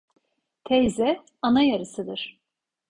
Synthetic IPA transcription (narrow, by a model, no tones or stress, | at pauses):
t̪ʰɛjzɛ | anajaɾɯsɯd̪ɯɾ̥